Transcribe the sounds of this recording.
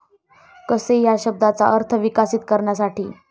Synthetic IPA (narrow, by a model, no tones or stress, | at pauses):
kəsejaɕəb̚d̪at͡sa̰əɾt̪ʰəʋikasiːt̪̚kəɾɳjas̬aʈiː